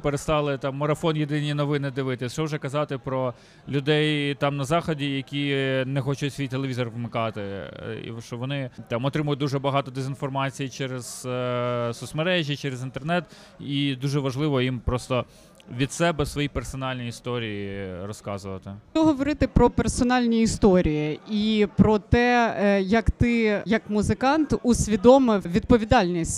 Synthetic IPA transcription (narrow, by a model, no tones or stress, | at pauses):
peɾest̪ɑlˠɪt̪ɑmːɔɾɐfɔnjed̪ɪnʲinɔʋɪnɪd̪ɪʋɪt̪ɪʃt͡ʃɔwʒɛkɐzɑt̪ɪpɾɔ | lʲʊd̪ɛjt̪ɑmnɐzɑxɔdʲijɐkʲinɛxɔt͡ʃʊtʲsʲʋʲijt̪elˠeʋizɔrʋmɪkɑt̪ɪḭʃt͡ʃɔʋɔnɪt̪ɑmɔt̪ɾɪmʊjʊd̪uʒɛbɐɦɑt̪ɔd̪ezʲinfɔrmɑt͡sʲijit͡ʃɛɾɛz̥ | sʊsmɐɾɛʒʲjit͡ʃɛɾezint̪ernɛt̪ | id̪uʒɛʋɐʒlˠɪʋɔjimpɾɔst̪ɔ | ʋʲid̪sɛbɛsʋɔjipersɔnɑlʲnʲijist̪ɔɾʲijiɾɔskɑzʊʋɐt̪ɪɔɦɔʋɔɾɪt̪ɪpɾɔpersɔnɑlʲnʲiːst̪ɔɾʲijiipɾɔt̪ɛjɐkt̪ɪjɐkmʊzɪkɑnt̪ʊsʲʋʲid̪ɔmɪwʋʲid̪̚pɔʋʲid̪ɑlʲnʲisʲtʲ